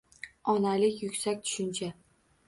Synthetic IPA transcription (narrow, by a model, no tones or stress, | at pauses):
ɒnalɪkʲjʊkʲsakʲt̪ʰʊ̥ʃɪnt͡ʃʰa